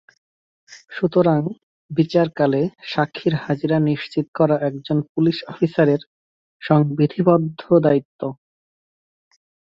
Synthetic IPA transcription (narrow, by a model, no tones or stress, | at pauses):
ʃut̪oɾaŋ | bit͡ɕaɾkaleʃakʰːiɾhad͡ʑiɾaniʃt͡ɕit̪kɔɾaʔɛk̚d͡ʑonpuliʃɔfisaɾeɾ | ʃɔŋbɾid̪ʱibɔd̪ʱːod̪ait̪ːo